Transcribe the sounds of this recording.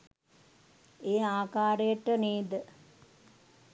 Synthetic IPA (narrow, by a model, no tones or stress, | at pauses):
eːaːkaːɾəjəʈəniːd̪ə